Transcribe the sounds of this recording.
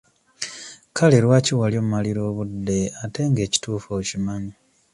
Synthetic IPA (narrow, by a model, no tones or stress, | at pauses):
kʰaleɾwaːciwaljoːmmaliɾo̞ːβudːe̞ate̞ŋɡe̞ːci̥tuːfoːcimani